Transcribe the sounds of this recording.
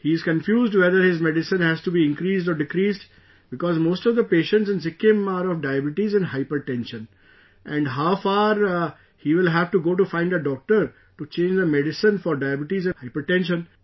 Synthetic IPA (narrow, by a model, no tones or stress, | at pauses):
hiːɪzkə̃nfjuːzɖʋɛd̪əɾhɪzmɛɖɪsə̃nhæzʈubiːɪ̃nkɾiːzɖɔːɾɖɪkɾiːzɖ | bɪkɔːzmoːsʈɔʋd̪əpeːʃə̃ɳʈsɪ̃nsɪkɪ̃maːɾɔʋɖaɪəbɪʈizɛ̃nɖɦaɪpəɾʈɛ̃nʃə̃n | ʔɛ̃ɳɖɦaʊfaːɾ | hiːʋɪlɦæʋʈuɡoːʈ̬ufãɪ̃ɳɖəɖɔːk̚ʈəɾ | ʈut͡ʃẽːnd͡ʒd̪əmɛɖɪsə̃nfɔɾɖaɪbɪʈizɛ̃haɪpəɾʈɛ̃nʃə̃n